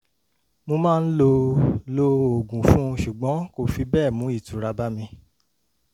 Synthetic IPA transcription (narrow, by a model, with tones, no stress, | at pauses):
mo˧mãː˦˧n̩˦lo˧lo˧o˨ɡũ˨fũ˦˧ʃu˨ɡ͡bɔ̃˨˦ko˦˨fi˧bɛː˦˨mũ˨˦i˦˨tu˨˦ɾa˧ba˦mĩ˧